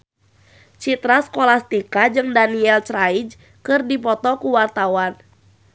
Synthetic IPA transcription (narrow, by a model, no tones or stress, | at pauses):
t͡ʃit̪ɾaskɔlast̪ikad͡ʒɨŋdaniɛlt͡ʃɾajd͡ʒ | kɨrdipɔt̪ɔkuwart̪awan